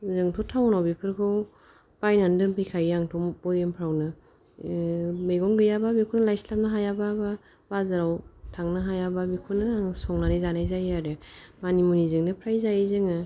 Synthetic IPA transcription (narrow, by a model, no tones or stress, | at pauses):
zɯŋtʰɔtʰawnawbipʰɯɾkʰɯw | b̥ajnandɯnpʰɯjkʰajaŋtʰɔmbɔjɯmpʰɾawnɯ | mejɡɔŋɡɯjababikʰɔnɯlajslap̚nɯɦajababa | bazaɾawtʰaŋnɯɦajababikʰunɯŋsɔŋnanɯjzanajzajaɾɯmanimunizɯŋnɯpʰɾajzajizɯŋɯ